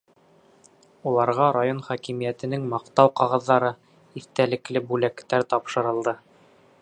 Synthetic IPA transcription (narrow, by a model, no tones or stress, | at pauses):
ulˠɑɾʁɑɾajonχɑkimijæt̪ɘ̆nɘŋmɑqt̪ɑwqɑʁɑðːɑɾɤ | iθt̪ælɘ̆klɘbʉlækt̪æɾt̪ɑpʃɤ̆ɾɤ̆lˠd̪ɤ